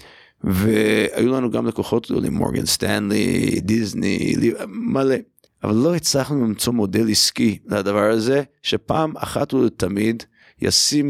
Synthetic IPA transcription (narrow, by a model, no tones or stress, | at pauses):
vea̰julanuɡamlekoχo̞tlijo̰lḭmo̰ɡa̰nst̪anlḭd̪iznḭlimale | ʔavalːoit͡slaχnulimt͡so̞mo̞deliskilead̪avaʁazeʃepaːma̰χat̪ut̪ʰamid̪ | ja̰sim